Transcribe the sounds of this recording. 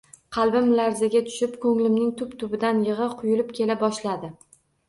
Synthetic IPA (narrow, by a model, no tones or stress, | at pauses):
qʰɑlˠbɪmlaɾzaɡʲat̪ʰʊ̥ʃɪpkʰɵŋlɪmnɪŋt̪ʰʊpt̪ʰʊbɪd̪anjɨʁɨqʰʊjʊlɪpkʲʰe̞labɒʃlad̪ɪ